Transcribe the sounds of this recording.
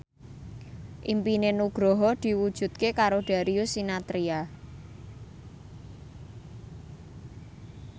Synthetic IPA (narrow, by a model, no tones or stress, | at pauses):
ʔimpinenuɡ̥ɾɔɦɔd̪̥i̤wud̥ʒ̥ṳt̪̚kekaɾoɖ̥a̤ɾiusinat̪ɾia